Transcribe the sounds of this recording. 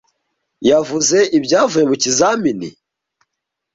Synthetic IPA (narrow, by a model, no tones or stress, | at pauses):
javuze̞ʔibɟaːvujemucizaminḭ